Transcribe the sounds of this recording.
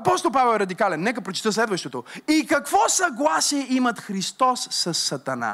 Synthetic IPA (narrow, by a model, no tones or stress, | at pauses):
ɐpɔst̪olˠpavɛlˠɛɾɐd̪ikalɛnːɛkəpɾot͡ʃi̥t̪əslɛd̪vəʃt̪ɛt̪oikɐkvɔsɐɡlˠasiɛimɐt̪xɾist̪ɔssːɐsːɐt̪ɐna̰